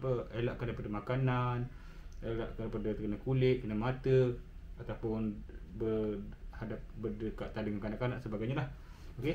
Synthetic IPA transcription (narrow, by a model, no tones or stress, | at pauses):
pəelaʔkandajpadəmakanan | ela̰ʔkanpadat̪kənəkulɪt̪̚kənəmat̪ə | at̪awpʊnbərhadap̚bədəkaʔt̪andəŋankanaʔkanaʔsəbaɡajɲalah | oke